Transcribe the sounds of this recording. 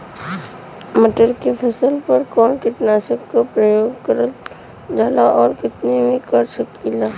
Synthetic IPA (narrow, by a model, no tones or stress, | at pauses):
məʈəɾkepʰɐsəlpɐɾkɔːnkɪʈnaːʃəkkːopɾəjoːɡkəɾəl | d͡ʒaːlaʔɔːɾkɪt̪nemẽkɐɾʃəkilaː